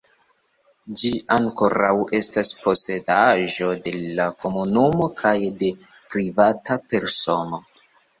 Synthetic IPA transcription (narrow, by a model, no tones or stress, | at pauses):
d͡ʒiaŋko̞ɾawʔe̞staspo̞se̞daʒo̞de̞lakʰo̞munumo̞kʰajde̞ | pɾivatape̞ɾso̞no̞